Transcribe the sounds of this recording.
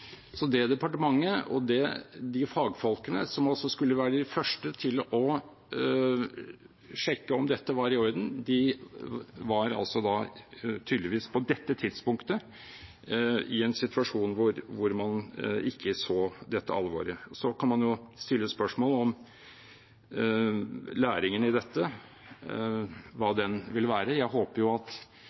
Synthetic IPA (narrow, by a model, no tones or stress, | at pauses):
sɔd̪ɛd̪ɛpɑʈəmɑŋːəɔ̰d̪ɛd̪ɪfɑːɡfɔlkənə̰sɔmɑlsɔskʉlːəʋæːɾəd̪ɪfœʂʈət̪ʰɪlɔ | ʂɛkːəɔmd̪ɛt̪ːəʋɑɾɪɔɾd̪n̩d̪ɪ | ʋɑɾɑ̰lsɔd̪ɑt̪ʰyːd̪lɪʋiːspʰɔd̪ɛt̪ːət̪ʰɪd̪spʊŋkt̪ə | ɪɛnsɪt̪ʉɑʂuːnʋʊɾʋʊɾmɑnɪkʰːəsoːd̪ɛt̪ːəɑ̰lʋo̰ːɾəɔsɔkʰɑnmɑnjʊst̪ɪlːəspœʂmoːləɔm | læːɾɪŋənɪd̪ɛt̪ːə | ʋɑːd̪ɛnʋɪlʋæːɾəjæɪɦoːpəɾjʊɑt̪